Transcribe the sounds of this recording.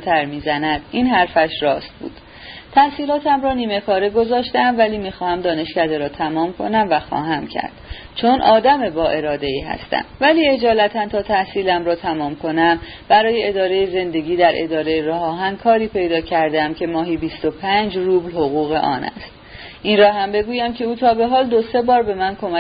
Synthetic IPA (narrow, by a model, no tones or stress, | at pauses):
t̪ʰæɾmiːzænæd̪̥iːnɦæɾfæʃrɒːst̪̚bṵːd̪̥ | t̪ʰæhsiːlɒːt̪ʰæmɾɒːniːme̞kʰɒːɾe̞ɡo̞zɒːʃt̪eæmvæliːmiːxɒːhæmd̪ɒːne̞ʃcæd̪e̞ɾɒːt̪ʰæmɒːmkʰo̞næmvæxɒ̰ːɦæmcʰæ̰ɾd̪̥ | t͡ʃʰo̞nʔɒːd̪æme̞bɒːʔe̞ɾɒːd̪e̞iːɦæ̰st̪æ̰mvæliːe̞d͡ʒɒːlæt̪ʰænt̪ʰɒːt̪ʰæhsiːlæmɾɒːt̪ʰæmɒːmkʰo̞næm | b̥æɾɒːje̞ʔed̪ɒːɾe̞jeze̞nd̪e̞ɡiːd̪æɾʔe̞d̪ɒːɾe̞jeɾɒːɦɒːɦænkʰɒːɾiːpʰe̞jd̪ɒːcʰæɾd̪æmcʰe̞mɒːɦiːbiːst̪o̞pʰæɲd͡ʒruːblhoɣuːɣe̞̰ʔɒ̰ːnæ̰st̪̚ | ʔinrɒːhæmbe̞ɡuːjæmcʰe̞uːt̪ʰɒːbe̞ɦɒːld̪ose̞bɒːɾbe̞mænkʰo̞mæ